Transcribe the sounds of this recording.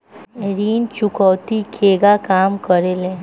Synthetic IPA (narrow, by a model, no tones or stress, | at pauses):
ɾiːnt͡ʃʊkɔːt̪ikʰeːɡakaːmkəɾelẽː